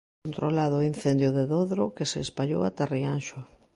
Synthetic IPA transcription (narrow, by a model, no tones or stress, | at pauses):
nt̪ɾolaðʊːin̟θɛnd̪jʊðeðoðɾʊkeseːspaʎo̰wat̪arianʃʊ